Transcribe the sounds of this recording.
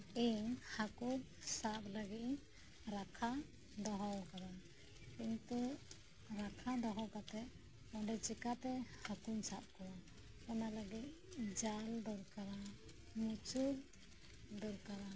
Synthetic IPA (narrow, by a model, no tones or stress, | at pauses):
iŋhakun | sap̚ləɡiʔ̚ | ɾakʰa | d̪ɔɦɔwkaɾa | kint̪u | ɾakʰad̪ɔɦɔwkat̪ɛt̪̚ | ɔɳɖɛt͡ʃikat̪ɛhakunsap̚kɔwa | analəɡit̚d͡ʒald̪ɔɾkaɾa | mut͡ʃuɾ | d̪ɔɾkaɾa